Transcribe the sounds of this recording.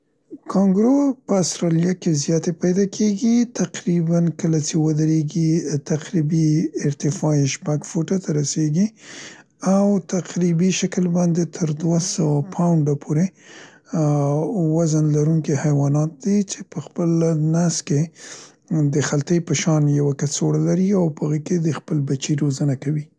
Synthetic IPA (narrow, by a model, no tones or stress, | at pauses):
kʰɑŋɡɾopəast̪ɾɑljakezjɑt̪epajd̪ɑkʰeɡit̪aqɾibankəlat͡ʃewəd̪əɾeɡit̪aqɾibiɪɾt̪ɪfɑiʃpaɡfoʈat̪ʰaɾaseɡi | awt̪aqɾibiʃakəlbɑnd̪et̪ʰəɾd̪wasawapʰawɳɖapʰoɾe | wazanlaɾuŋkihajwɑnɑt̪̚d̪it͡ʃepəxpəlnaske | d̪əxalt̪əjpəʃɑnjawakasoɽalaɾiawpəɣəked̪əxpəlbat͡ʃiɾozənakawi